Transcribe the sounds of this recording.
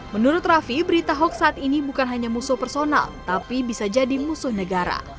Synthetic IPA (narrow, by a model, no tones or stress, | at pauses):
mənuɾʊt̪̚rafibəɾit̪aɦɔk̚saːt̪inibukanɦaɲamusʊhpɛrsona̰lt̪apibisad͡ʒadimusʊhnəɡaɾa̰